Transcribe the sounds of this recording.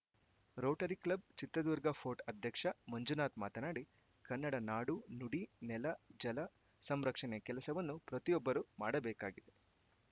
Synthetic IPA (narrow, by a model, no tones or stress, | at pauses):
ɾoːʈɐɾiklɐb̚t͡ʃit̪ːɾɐd̪uːɾɡɐpʰo̞ːʈɐd̪ʱjɐkʂɐmɐɲd͡ʒunaːt̪maːt̪ɐnaːɽi | kɐnːɐɽɐnaːɽunuɽinɛlɐd͡ʒɐlɐ | sɐmɾɐkʂɐnɛkɛlɐsɐʋɐnːupɾɐt̪ijɔbːɐɾuma̰ːɽɐbɛːka̰ːɡid̪e